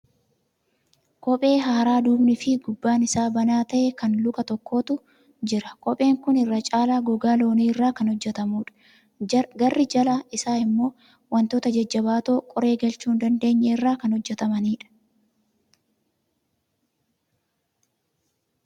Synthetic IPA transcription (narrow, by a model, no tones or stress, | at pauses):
kʼɔpʼe̞ːɦaːɾaːd̪uːbnɪfɪɡʊbːaːnɪsaːbɐnaːt̪ɐʔɛkɐnlʊkʼɐt̪ɔkːo̞ːt̪ʊ | d͡ʒɪɾɐkʼɔpʼe̞ːŋkʊnɪrːɐt͡ʃʼaːlaːɡɔɡaːlo̞ːniːɪrːaːkɐnhɔd͡ʒːɛt̪ɐmuːᶑɐ̥ | ɡɐrːɪd͡ʒɐlaɪsaːɪmːo̞ː | wɐnt̪oːt̪ɐd͡ʒɐd͡ʒːɐbaːt̪oːkʼɔɾe̞ːɡɐlt͡ʃuːnd̪ɐnd̪e̞ːɲːɛɪrːaːkɐnhɔd͡ʒːɛt̪ɐmɐniːᶑɐ̥